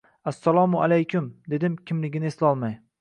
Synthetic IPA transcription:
asːalˠɒmʊa̰lajkʲʰʊmd̪e̞d̪ɪmkʲʰɪmlɪɡʲɪnɪeslɒlˠmaj

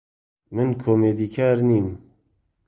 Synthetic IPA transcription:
mɨnkʰoːmeːd̪iːkʰaːɾniːm

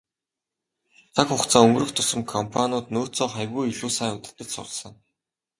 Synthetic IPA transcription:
t͡sʰakχʊkt͡sʰaːɵŋɡrɵ̆xt̪ʰʊsə̆mkʰɔmpʰanʊːt̪noːt͡sɔːχajɣujiɮuːsajʊt̪ə̆t̪ə̆t͡ɕsʊ̰ɮ̆sɞ̆ŋ

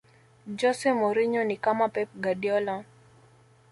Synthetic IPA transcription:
d͡ʒɔsɛmɔɾiɲɔnikamapɛp̚ɡadjɔlɔ

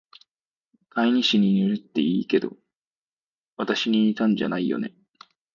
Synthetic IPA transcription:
maiɲ̟iɕiɲ̟inɯ̟ɾɯt̪ːe̞̰iːke̞d̪o̞̰ | βat̪aɕiɲ̟iːt̪ãɲ̟d͡ʑa̰naijo̞̰ne̞

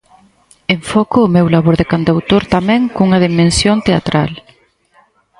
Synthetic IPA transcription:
eɱfɔkʊːmewlaβoɾðekand̪awt̪oɾt̪amɛ̃ŋkuŋɐð̞imẽnsjont̪eat̪ɾal

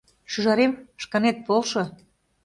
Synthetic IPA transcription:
ʃyʒɑɾemʃkɑnet̪̚polˠʃŏ

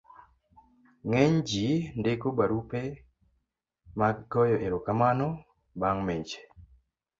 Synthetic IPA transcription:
ŋɛɲd͡ʒindekobaɾupe | maɡɔjɔʔeɾokamanɔ | baŋmed͡ʒe̥

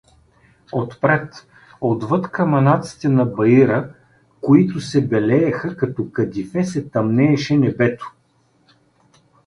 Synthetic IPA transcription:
ot̪pɾɛt̪ | od̪vɤt̪kɐmɐnat̪si̥t̪ɛnɐbɐiɾə | koit̪ʊsɛbɛlɛɛxəkɐt̪ɔkɐd̪ʲifɛsɛt̪ɐmnɛːʃɛnɛbɛt̪ʊ̥

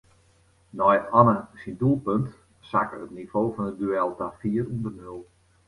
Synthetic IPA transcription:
nɔjɔnəsindulˠpønt | sa̰kəətniv̥oːfɔnət̚dyɛlˠtafiːərundərnølˠ

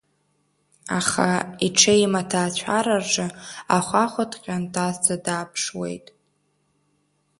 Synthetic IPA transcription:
aχaiʈ͡ʂʰejmatʰaːt͡ɕʷʰaɾarʐɨaχʷaχʷatʰʼqʲʼantʰaztʰadaːpʰʂwḛjtʼ

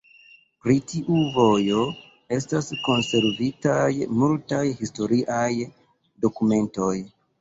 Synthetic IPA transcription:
pɾitiʔuvo̞jo | e̞stasko̞nse̞ɾvitajmultajhisto̞ɾiʔaj | do̞kume̞ntoj

